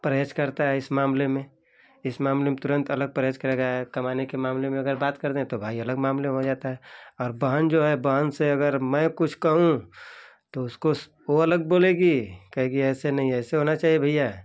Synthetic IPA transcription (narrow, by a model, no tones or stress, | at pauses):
pɾəed͡ʒkəɾt̪aɦɛɪsmaːmlemẽ | ɪsmaːmlemẽt̪ʊɾə̃nt̪ɐləɡ̚pɾaːd͡ʒkəɾeːɡaɦɛkɐmaːnekemaːmlemẽɐɡəɾbaːt̪kəɾd̪eɦɛ̃t̪obʱaːiɐləɡmaːmleɦod͡ʒaːt̪aɦɛɔːɾbəɦənd͡ʒoːɦɛbəɦənseɐɡəɾmɛ̃kʊt͡ʃʰkɐɦũ | t̪oʊsko | oɐləɡ̚boːleɡikəɦɛ̃kiɛːsenɐɦĩɛːseɦonat͡ʃaːɦiebʱəija